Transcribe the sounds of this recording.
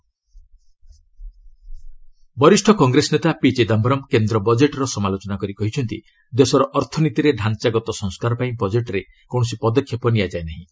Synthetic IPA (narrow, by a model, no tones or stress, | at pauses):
bɔɾisʈʰɔkɔŋɡɾesɔnet̪apit͡ʃed̪ambɾɔmkend̪ɾɔbɔd͡ʒeʈɔɾɔsɔmalot͡ʃɔnakɔɾikɔɦit͡ʃʰɔnt̪ḭ | d̪esɔɾɔʔɔɾt̪ʰɔnit̪iɾeɖʱant͡ʃaɡɔt̪ɔsɔŋskaɾɔpaĩbɔd͡ʒeʈɔɾe | kõɔs̬ipɔd̪ɔkʰːjɔpɔnijad͡ʒaenaɦĩ